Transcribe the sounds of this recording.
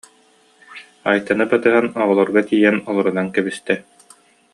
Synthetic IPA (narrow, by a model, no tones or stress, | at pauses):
ajt̪anɯpat̪ɯɦanɔʁɔlˠɔɾɡat̪ijɛnɔlˠɔɾunankɛbist̪ɛ